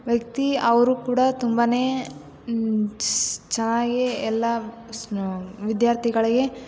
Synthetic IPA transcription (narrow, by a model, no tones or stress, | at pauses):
ʋjɐk̚t̪iɐʋɐɾukuːɽat̪umbɐne̞ː | t͡ʃɛnːaːɡiɛlːɐ | ʋid̪jaːɾt̪ʰiɡɐɭiɡe̞